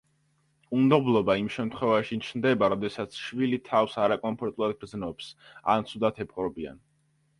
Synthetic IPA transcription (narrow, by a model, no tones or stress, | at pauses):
umd̪ɔblˠɔbaimʃɛmt̪ʰχwɛvaʃint͡ʃʰnd̪ɛbaɾɔd̪ɛsat̪sʰʃvilit̪ʰafsaɾakʼɔmpʰɔɾt̪ʼulˠad̪̚ɡɾd̪znɔpsa̰nt̪sʰud̪at̪ʰɛp̚ʰqʼɾɔbia̰n